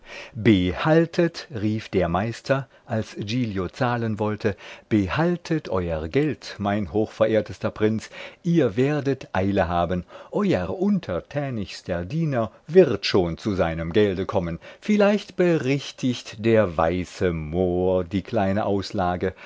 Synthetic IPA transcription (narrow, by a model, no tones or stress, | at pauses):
bəhaltʰətʁiːfd̥eːɐmaɪstʰɐ | ʔalsd͡ʒiːljot͡saːlənvɔltʰəb̥əhaltʰətʔɔʏɐʁɡɛltmaɪnɦoːxfɛɐʔeːɐtəstɐpʁ̥ɪnt͡sʔiːɐveːɐdətʔaɪləɦaːbənʔɔʏəʁʔʊntʰɐtʰɛːnɪçstʰəɐdiːnɐ | vɪʁtʃoːnt͡suzaɪnəmɡɛldəkʰɔmənfɪlaɪçtb̥əʁɛçtʰɪçtd̥eːɐva̰ɪsəmoːɐdiːkl̥aɪnəʔaʊslaːɡə